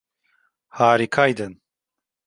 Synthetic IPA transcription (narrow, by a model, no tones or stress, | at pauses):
haːɾikʰaːjd̪ən